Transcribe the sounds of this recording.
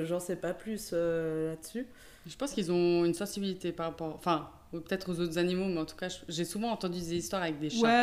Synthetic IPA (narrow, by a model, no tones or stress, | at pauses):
ʒɑ̃sɛpaplysølad̪əsy | ʒəpɑ̃skilzɔ̃ynsɑ̃sibilit̪epaʁapɔʁɑ̃fɛ̃ | pə̥t̪ɛt̪χozot̪χzanimomɛɑ̃t̪u̥kaʒəʒesuvɑ̃ːt̪ɑ̃d̪yd̪ezist̪waʁavɛk̚d̪eʃwaɛ